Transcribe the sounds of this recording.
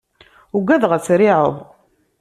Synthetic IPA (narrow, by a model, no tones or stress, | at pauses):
uɡæðʁət͡sːɾiʕəðˤ